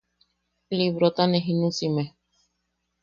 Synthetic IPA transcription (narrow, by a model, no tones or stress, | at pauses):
liβɾot̪aneɦinũsime